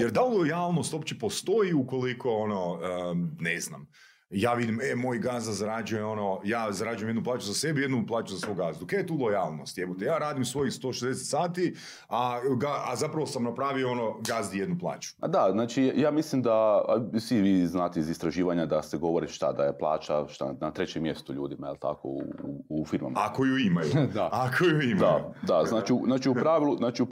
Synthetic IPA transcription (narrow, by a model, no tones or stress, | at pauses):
jeɾd̪allojalˠno̞st̪o̞pt͡ɕepo̞st̪o̞iuko̞liko̞ono̞ənezna̰m | jaːʋid̪imemo̞jɡaːzd̪azaɾad͡ʒujeo̞no̞jaːzaɾad͡ʒujemjed̪nuplˠaːt͡ʃuzasebijed̪nuplˠaːt͡ʃuzasʋo̞jɡaːzd̪uket̪uːlˠo̞jalˠnost̪jebot̪ejaːɾaːd̪imsʋo̞jixst̪o̞ːʃezd̪eset̪saːt̪i | aɡaazapɾaʋosamnapɾaːʋioonoɡaːzd̪ijed̪nuplˠa̰ːt͡ʃu̥pad̪aznaːt͡ʃijaːmislˠimd̪aasiʋiznaːt̪eizist̪ɾaʒiːʋaɲad̪aseɡo̞ʋo̞ɾiʃt̪a̰d̪aje̞plˠa̰ːt͡ʃa̰ʃt̪a̰nat̪ɾe̞t͡ʃemːje̞st̪uʎuːd̪imaelˠt̪a̰ko̞̰ṵufiɾma̰maakojuimajud̪aakʰojuimd̪ajud̪aznaːt͡ʃiuznaːt͡ʃiupɾaʋilˠuznaːt͡ʃiup